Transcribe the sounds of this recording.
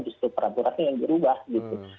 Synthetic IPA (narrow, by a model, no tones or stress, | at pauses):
d͡ʒust̪upəɾampuɾanajaŋdiɾubahɡit̪u